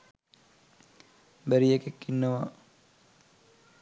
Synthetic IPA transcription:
bæɾijekekːinːəʋa

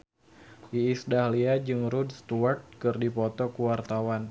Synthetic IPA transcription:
ʔiːsdahliad͡ʒɨŋɾudst̪uart̪̚kɨrdipɔt̪ɔkuwart̪awan

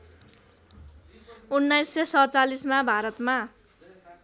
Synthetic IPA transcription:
unːajsːʌsʌt͡salismabʱaɾʌt̪ma

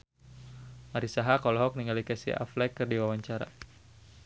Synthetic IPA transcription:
maɾisaɦakɔlɔɦɔk̚niŋɡalikɛsḭa̰flɛkːɨrdiwawaɲt͡ʃaɾa̰

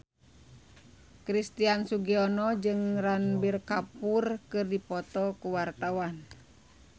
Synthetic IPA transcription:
kɾist̪iansuɡiɔnɔd͡ʒɨŋranbirkapurkɨrdipɔt̪ɔkuwart̪awan

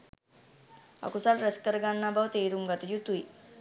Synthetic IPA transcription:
a̰kusalɾəskəɾɡanːabawt̪ejɾumɡat̪jut̪uj

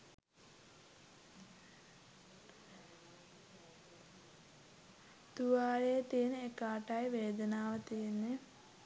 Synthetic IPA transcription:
t̪uʋaːɾejt̪ijeneekaːʈajʋeːd̪ənaːʋət̪ijenːe

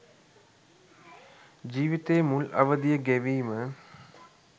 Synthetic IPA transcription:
d͡ʒiːʋit̪eːmulɐ̰ʋəd̪ijəɡæʋiːmə

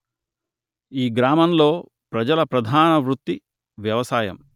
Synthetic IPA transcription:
iːɡɾaːmɐmlo̞ː | pɾɐd͡ʒɐlɐpɾɐd̪ʱaːnɐʋɾut̪ːi | ʋjɐʋɐsaːjɐ̰m

